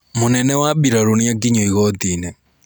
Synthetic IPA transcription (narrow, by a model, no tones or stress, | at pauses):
monɛnɛwaɓiɾaɾoniakiɲoiɣɔtinɛ